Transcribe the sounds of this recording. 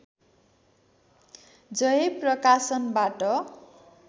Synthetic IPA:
d͡zʌjeprʌkasʌnbaʈʌ

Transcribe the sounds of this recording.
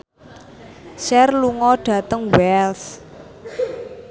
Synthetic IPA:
ʃɛrluŋɔɖ̥ä̤t̪əŋwɛls

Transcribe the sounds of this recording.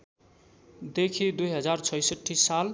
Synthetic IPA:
d̪ekʰid̪ujɦʌd͡zart͡sʰʌjsʌʈʰːisal

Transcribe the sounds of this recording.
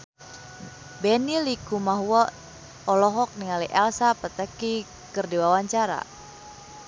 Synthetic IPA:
bɛnilikumaɦuwɔ | ɔlɔɦɔk̚niŋaliʔɛlsapət̪əki | kɨrdiwawaɲt͡ʃaɾa̰

